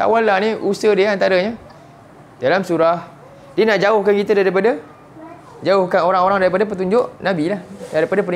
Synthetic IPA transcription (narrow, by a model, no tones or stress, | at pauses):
sa̰walːahnĩʔusədiəant̪aɾəɲa | dalamsuɾah | diənaʔd͡ʒaʊhkankit̪adaɾip̬ada | d͡ʒaʊhkanoɾaŋoɾaŋdaɾipadapət̪uɲd͡ʒʊʔnãbilahdaɾipadap̬ən